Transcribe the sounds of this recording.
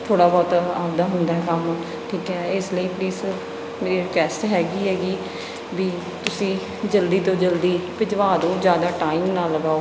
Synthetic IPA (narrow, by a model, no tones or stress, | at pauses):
t̪ʰoːɽaːbɔːt̪aːbd̪aːɦʊnd̪aːɦɛːkəm | ʈʰiːkɦɛːɪsləiːpliːz | meːɾiːkɛːsʈɦɛːɡiːɦɛːɡiː | biː | t̪ʊsĩː | d͡ʒəld̪iːt̪õːd͡ʒəld̪iːpɪd͡ʒʋaːd̪õːd͡ʒjaːd̪aːʈaːiːmnaːlːəɡaːoː